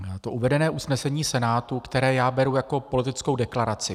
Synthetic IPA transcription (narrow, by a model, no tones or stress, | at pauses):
t̪o̞ʔuvɛdɛnɛːʔusnɛsɛɲiːsɛnaːt̪ukt̪ɛɾɛːjaːbɛɾujako̞po̞lɪt̪ɪt͡sko̞wdɛklaɾat͡sɪ